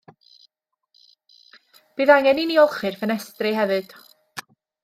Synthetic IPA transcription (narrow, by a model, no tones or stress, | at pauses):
b̥iːðaŋɛniniɔlˠχɨrfənɛstrɪɦɛvɨd̥